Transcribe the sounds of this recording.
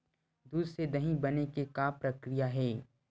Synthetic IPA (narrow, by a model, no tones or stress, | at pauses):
d̪uːsɾed̪ɐɦĩbɐnekekaːpɾɐkɾijaɦɛː